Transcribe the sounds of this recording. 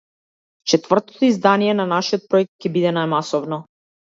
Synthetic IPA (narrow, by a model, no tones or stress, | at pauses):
t͡ʃɛt̪vr̩t̪ɔ̥t̪ɔizd̪anijɛnanaʃijɔt̪̚pɾɔɛk̚t̪̚cɛbid̪ɛnajmasɔvnɔ